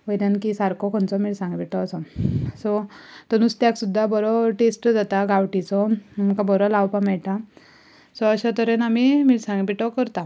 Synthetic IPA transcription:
ʋəjd̪ankisaɾkɔkʰɔnt͡sɔmiɽsãŋɡpiʈɔːsɔsɔt̪ənuːst̪jaksud̪ʱːabɔɾɔʈesʈd͡zat̪aɡawʈit͡sɔməkãbɔɾɔlawpamɛɭʈa | sɔəɕat̪əɾenamimiːɽsãŋɡpiʈɔkəɾt̪a

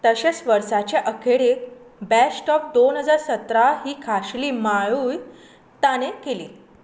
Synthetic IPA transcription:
t̪əɕesʋəɾsat͡ɕeʔəkʰeɽe | bæsʈɔp̚d̪onɦəd͡zaɾsət̪ɾaɦiːkʰaɕliːmaɭuːj | t̪anekeli

